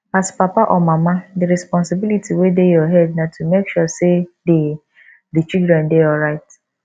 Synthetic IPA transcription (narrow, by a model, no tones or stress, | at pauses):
aspapaʔɔmamadiɾɛspɔ̃nsɪbilitiwedejɔɦɛdnatʰumekʃɔsede | dit͡ʃidɹɛ̃ndeɔlɾaɪt